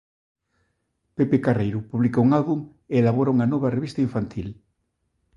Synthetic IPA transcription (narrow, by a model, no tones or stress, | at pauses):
pepekarejɾupuβlikouŋalβuŋ | eːlaβ̞oɾauŋanoβareβist̪aiɱfant̪ʰil